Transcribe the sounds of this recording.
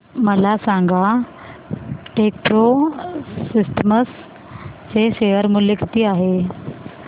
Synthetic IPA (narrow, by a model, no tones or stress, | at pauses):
məlasãŋɡa | ʈek̚pɾo | sisʈəməs | t͡seɕejəɾmulekt̪iːaɦe